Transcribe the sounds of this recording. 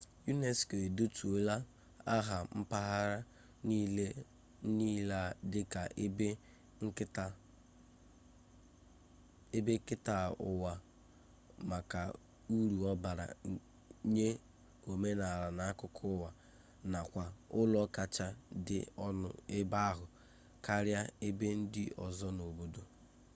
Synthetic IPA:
ju˦ne˨ske˨e˨do˦tʰu˨o˦la˦ | a˦ɦa˨m̩˦pa˦ɦa˦ɾa˦ | ni˦le˦ | ni˦la˦dɪ˦ka˨˦˨ | e˦be˦kɪ˦ta˨ʊ̰˨wa˨ | ma˨ka˨ | u˦ɾu˨ɔ˦ba˨ɾa̰˨ | ɲe˦ | o˨me˦na˨ɾa˨na˨a˦kʊ˦kʰʊ˦wa˨ | na˨kʷa˨ʊ˦lɔ˦ka˨t͡ʃa˦dɪ̰˨˦ʊ˦ɪ˦ba˦a˦ɦʊ˨ | ka˦ɾja˦e˦be˦n̩˦dɪ̰˦ʔɔ̰˨zɔ˦no˨bo˦do˦

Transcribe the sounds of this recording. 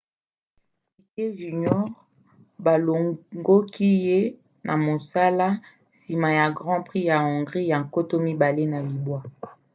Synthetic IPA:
i˨ke˦ʒy˨ɲɔ˦ʁ | ba˨lo˨ŋɡo˦ki˦je˦ | na˨mo˨sa˦la˦ | si˨ma˨ja˨ɡʁɑ̃˦pʁi˦ja˨ɔ˨ŋɡʁi˦ja˨ŋ˨ko˦to˦mi˦ba˨le˦na˨li˨bwa˦

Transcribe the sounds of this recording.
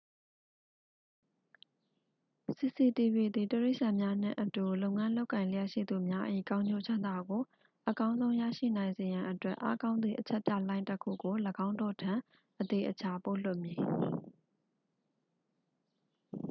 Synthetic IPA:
si˨si˨ti˨bi˨d̪i˨təɹe˦ɪʔsã˨mja˦n̥ɪ̰̃˦˨ʔətu˨lõ˦ʊŋã˦lo˦ʊkːã˨ɪ̃lə˨jɛ˦ʔʃḭ˦˨d̪u˨mja˦ʔḭ˦˨kã˦ʊ̃ɲd͡ʑo˦˨t͡ɕʰã˦nd̪a˦˨ɡo˨ | ʔəkã˦ʊ̃nzõ˦ʊ̃jä̰˦˨ʃḭ˦˨nã˨ɪ̃nze˨jã˨ʔətwɛ˦ʔa̰˦kã˦ʊ̃nd̪i˨ʔət͡ɕʰɛ˦ʔpja̰˦˨lã˦ɪ̃ntə˦kʰṵ˦˨ɡo˨ləɡã˦ʊ̃ndɔ̰˦˨tʰã˨ | ʔət̪e˨ʔət͡ɕʰa˨po˦˨l̥ʊ˦ʔmji˨

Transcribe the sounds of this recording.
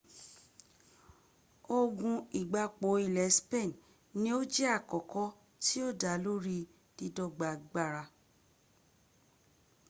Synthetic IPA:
o˧ɡũ˧i˨ɡ͡ba˧k͡po˨˦i˨lɛ˨˦spe˦˨n | nĩ˦o˦d͡ʒɛ˦a˦˨kɔ˨kɔ˦ | ti˦o˦˨da˨˦lo˦ɾi˧ | d̥i˧dɔ˦ɡ͡ba˨ɡ͡ba˧˨ɾa˧

